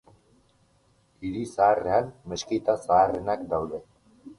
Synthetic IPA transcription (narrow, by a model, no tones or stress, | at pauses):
iɾisaːre̞anmeskit̪asaːre̞nakd̪awðe̞